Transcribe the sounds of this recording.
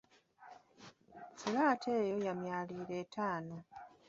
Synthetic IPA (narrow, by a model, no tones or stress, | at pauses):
fulaːtʰe̞ːjo̞jamjaːliːɾe̞ːtʰaːno̞